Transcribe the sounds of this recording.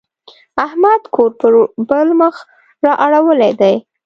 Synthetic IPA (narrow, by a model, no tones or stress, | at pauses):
ahmad̪kʰoɾpəbəlməx | ɾɑʔaɽawəlejd̪aj